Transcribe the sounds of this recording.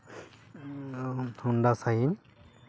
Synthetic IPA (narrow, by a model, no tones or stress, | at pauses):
t̪ʰundasajim